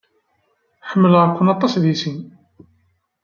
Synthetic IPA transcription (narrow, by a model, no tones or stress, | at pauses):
ħəmːəlʁəkʷːənɑt̪ˤːɑsðisin